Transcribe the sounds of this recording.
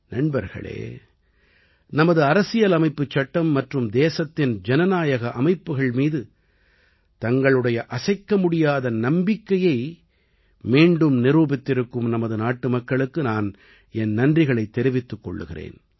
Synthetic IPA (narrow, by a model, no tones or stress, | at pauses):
nɐɳbɐɾɣɐ̰ɭḛː | nɐmɐðɯɐɾɐsɪjɐlɐmɐɪpːɯt͡ʃːɐʈːɐmːɐʈrɯmd̪eːsɐt̪ːɪnd͡ʒɛnɐnaːjɐɣɐʔɐmɐɪpːɯɣɐɭmiːðɯ | t̪ɐŋɡɐɭɯɽɐjɐʔɐsɐɪkːɐmʊɽɪjaːðɐnɐmbɪkːɐjɐɪ | miːɳɖɯmnɪruːbɪt̪ːɪɾɯkːɯmnɐmɐðɯnaːʈːɯmɐkːɐɭɯkːɯnaːn | ɛnnɐndrɪɣɐɭɐɪt̪ːɛɾɪʋɪt̪ːɯkːɔ̰ɭːɯ̰ɣɪrḛːn